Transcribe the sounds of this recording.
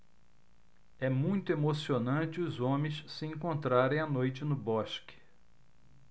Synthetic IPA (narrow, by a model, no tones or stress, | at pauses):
ɛmũj̃t̪ʊemosionɐ̃t͡ʃɪʊzõmẽj̃ssɪẽŋkõnt̪ɾaɾẽj̃ɐnojt͡ʃɪnʊbɔʃkɪ̥